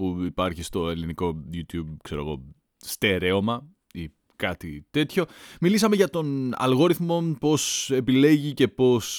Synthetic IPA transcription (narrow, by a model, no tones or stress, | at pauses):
puipɐɾçist̪oe̞liniko̞ʝut̪jub̚kse̞ɾoɣo̞̰ | st̪eɾe̞o̞mɐ | i | kɐt̪it̪e̞t̪ço̞milisɐmeʝɐt̪o̞nɐ̰lɣo̞ɾiθmo̞po̞se̞pile̞ʝice̞po̞s